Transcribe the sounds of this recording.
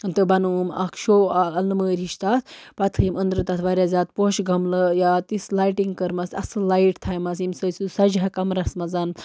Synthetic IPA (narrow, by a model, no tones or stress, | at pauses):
nt̪ɨbɐnumɐ̰kʃoaɐlnɨməːɾʲiʃt̪at̪ʰpɐt̪ʰɨmənd̪ɾɨt̪ɐt̪ʰʋaɾʲazʲaːt̪̚poʃɡʱɐmlɐjaːt̪islajʈiŋɡkɐɾmɐsɐsɨlajʈt̪ʰajmɐsimsɐsusɐd͡ʒɦɐkɐmɾɐsmɐzan